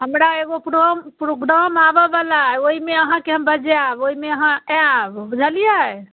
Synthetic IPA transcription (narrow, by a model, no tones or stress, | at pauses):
ɦəmɾaeɡopɾompɾoɡɾamabəbalaɛoimeəɦãkeɦəmbəd͡ʒeaboimeəɦãbbud͡ʒʱəlijaɛ